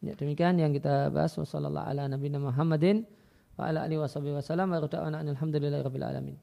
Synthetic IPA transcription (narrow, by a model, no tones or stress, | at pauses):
ja̰dəmikianjaŋkit̪aba̰a̰swa̰sɑ̰lːa̰lːɑ̰ha̰lanabinamuɦamːadɪn | wa̰ʔa̰laʔa̰liiwɑsˤɑbihwasalamwaɾud̪a̰ʔwa̰naanalɦamd̪ulɪlːahɾɔbːɪlʕa̰la̰mḭn